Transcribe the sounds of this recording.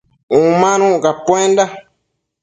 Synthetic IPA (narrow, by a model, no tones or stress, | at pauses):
ũmãnũkapẽnda